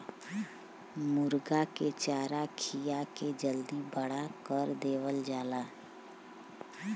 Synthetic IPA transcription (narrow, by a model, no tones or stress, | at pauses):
mʊɾɡaket͡ʃaːɾakʰijaked͡ʒəld̪ibəɽakəɾd̪eːwəld͡ʒaːlaː